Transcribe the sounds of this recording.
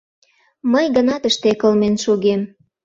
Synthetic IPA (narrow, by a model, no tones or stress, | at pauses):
məjɡənɑt̪əʃt̪ekəlmenʃuɣem